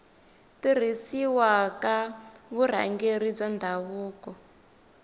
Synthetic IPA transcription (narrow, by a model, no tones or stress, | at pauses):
tir̤isiwakaβuɾ̤a̰ŋɡeɾib͡ʐand̪ʱaβuːkɔ